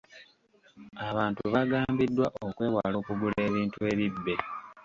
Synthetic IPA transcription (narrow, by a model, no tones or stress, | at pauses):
aβaːntuβaɡaːmbidːwaʔo̞kwe̞ːwaːlo̞ːkuɡule̞ːβiːntue̞ːβibːe̞